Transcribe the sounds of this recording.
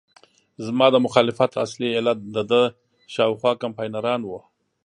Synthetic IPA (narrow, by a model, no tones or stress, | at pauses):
zmɑd̪əmʊxɑlɪfat̪aslielat̪̚d̪əd̪ə | ʃɑwxwɑkampɑjnaɾɑnwu